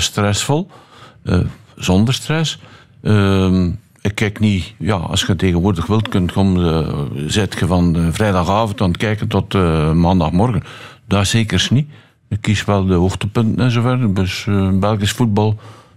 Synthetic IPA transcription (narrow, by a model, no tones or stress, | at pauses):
strɛsfɔlˠə̰z̥ɔndərstrɛs | ə | ɪkːɛknija̰ɑ̰sxəteːɣənʋʊːrdəxʋɪlˠtkɵntkom | zɪtxəvɑnvrɛjdɑxaːvəntɑntkɛːkəntɔtːmaːndɑxmɔrɣən | daːseːkərsni | ɪkːisʋɛlˠdəoxtəpɵntənɛnzoːvɛrdøsbɛlˠɣəsfud̚bɑlˠ